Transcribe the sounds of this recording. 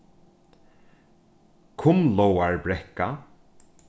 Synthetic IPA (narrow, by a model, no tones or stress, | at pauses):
kʰʊmlowaɹbɾɛhka